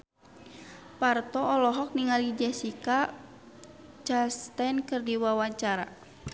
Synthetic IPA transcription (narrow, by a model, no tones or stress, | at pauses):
part̪ɔɔlɔɦɔk̚niŋalid͡ʒɛsika | t͡ʃast̪ɛnkɨrdiwawaɲt͡ʃaɾa̰